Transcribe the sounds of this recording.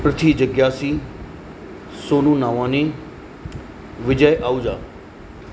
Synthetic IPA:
pɾɐt̪ʰid͡ʑəɡjaːsi | soːnũnaːʋãːnẽ | ʋɪd͡ʑəjʔaːud͡ʒaː

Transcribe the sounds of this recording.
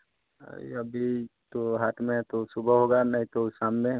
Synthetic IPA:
iəbʱit̪oɦaːt̪ʰmẽt̪osubʱəɦoɡanəɦĩt̪osamːẽ

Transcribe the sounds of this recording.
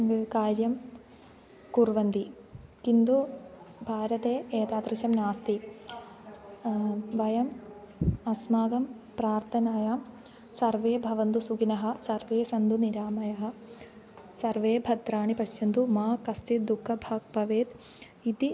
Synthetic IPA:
kaːɾjɐm | kuɾʋɐnd̪ikind̪ubʱaːɾɐt̪eːeːt̪aːd̪ɾiʃɐmnaːst̪i | ʋɐjɐm | ɐsmaːɡɐm | pɾaːɾt̪ʰɐnaːjaːm | sɐɾʋeːbʱɐʋɐnt̪usuɡinɐɦɐ̆sɐɾʋeːsɐnd̪uniɾaːmɐjɐɦɐ̆ | sɐɾʋeːbʱɐd̪ɾaːɳipɐʃjɐnd̪umaːkɐst̪it̪̚d̪ukʰːɐbʱaːɡ̚pɐʋeːt̪ | it̪i

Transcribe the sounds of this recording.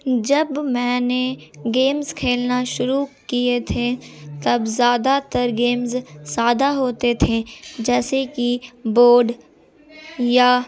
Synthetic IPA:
d͡ʒɐbmɛ̃ːneɡeːmzkʰeːlnaʃʊɾukiet̪ʰet̪ɐbzjaːd̪at̪əɾɡeːmzsaːd̪aɦoːt̪et̪ʰed͡ʒɛːsekiboːɖ | jaː

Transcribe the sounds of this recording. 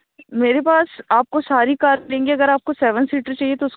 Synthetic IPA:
meːɾepaːsaːp̚kosaːɾikaːɾlẽːŋɡeɐɡəɾaːp̚kosɛːʋənsliːʈəɾt͡ʃaːɦiet̪oʊs

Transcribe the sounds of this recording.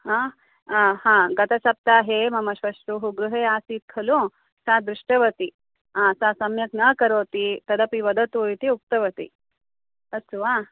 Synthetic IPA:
hã | hãɡɐt̪ɐsɐp̚t̪aːɦemɐmɐɕʋɐʂt̪ɾuɦuɡɾuɦeaːsiːt̪̚kʰɐlũ | sãd̪ɾuʂʈɐʋɐt̪i | ãsasɐmjɐknɐkɐɾoːt̪it̪ɐd̪ɐpiʋɐd̪ʱɐt̪ojt̪iuk̚t̪ɐʋɐt̪ḭ | ɐsuʋa

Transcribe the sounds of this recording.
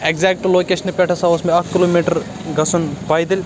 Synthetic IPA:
eɡzeːk̚ʈuloːkeːʃɐnipʲeʈʰɐsɐʋɐsmeɐkkːiloːmiːʈɐɾ | ɡɐsunpɐjd̪ilʲ

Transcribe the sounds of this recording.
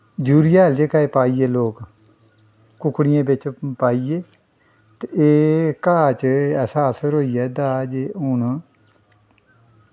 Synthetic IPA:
d͡ʒuːɾɪjaːld͡ʒeːkaːeːpaːiːeːloːk | kʊkːɽɪjãːbɪt͡ʃpaːieː | t̪eeːkaːt͡ʃɛːsaːəsəɾɦoːiːɛːd̪aːd͡ʒeʊn

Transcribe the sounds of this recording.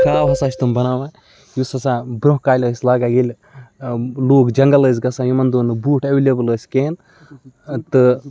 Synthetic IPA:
kaːwɦɐsaːt͡ʃʰʲt̪umbɐnaːʋaː | jusɐsãːbɾoɦkaːlʲəːsʲlaːɡaːɡelʲ | loːkd͡ʒɐŋɡɐləːs̬ʲɡɐsãːjumɐnd̪oːnɨbuːʈʰeʋelʲebɨləːsʲkeːn | t̪ɨ

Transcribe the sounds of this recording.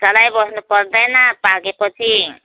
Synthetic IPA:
t͡sʌlajbʌsnupʌɾd̪ajnʌpaɡepʌt͡sʰi

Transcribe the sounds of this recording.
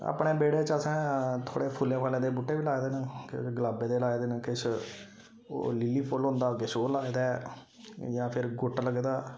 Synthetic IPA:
a̰ːpɳeːbeːɽeːt͡ʃəsɛ̃ːt̪ʰo̰ːɽeːpʰʊlẽːkʰaːlẽːd̪eːbuːʈːeːʋiːlaːed̪eːnəkɡəlaːbeːd̪eːlaːed̪eːnkɪt͡ʃʰ | o̰ːlɪlːiːpʰolɦʊ̃nd̪aːɡɪʃoːlaːed̪ɛː | jãːpʰɪɾɡʊʈːləɡd̪aː

